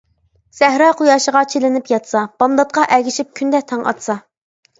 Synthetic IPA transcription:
sæhɾɑqʰujɑːʃəʁɑt͡ʃʰelɪnɪpjɑt̪sɑb̥ɑnd̪ɑt̪̚qɑʔæɡʲiʃip̚kʲʰynd̪ɛt̪ʰɑŋʔɑ̰t̪sɑ

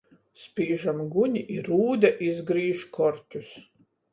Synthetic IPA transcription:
spʲiːʒamɡuɲʲiʔiɾuːd̪aʔizɡɾiːʃkʰɔɾt̪ʲus

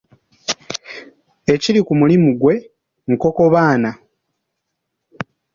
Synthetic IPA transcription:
e̞ciɾikumulimuɡwe̞ | ŋ̩ko̞ko̞βaːna

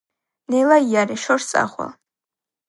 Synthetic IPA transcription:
nejlajaɾiʃort͡sʼa̰χʷa̰

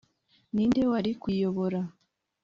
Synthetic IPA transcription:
niːnde̞waɾikwijo̞βo̞ɾa

